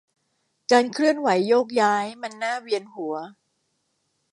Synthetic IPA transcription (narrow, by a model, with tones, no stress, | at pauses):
kaː˧nkʰɾɯ˥˩ənwa˩˦jːoː˥˩k̚jaː˦˥jma˧nːaː˥˩wi˧ənhu˨˩˦ɐ